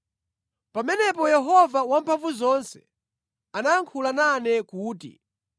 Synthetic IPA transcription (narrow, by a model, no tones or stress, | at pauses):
pamɛnɛpɔjɛɦɔvawampʰaɱvuzɔnsɛ̥ | anaːŋkʰulananɛkuːtḭ